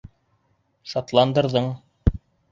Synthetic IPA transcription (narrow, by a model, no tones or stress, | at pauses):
ʃɑt̪lˠɑnd̪ɤ̆ɾðɤɴ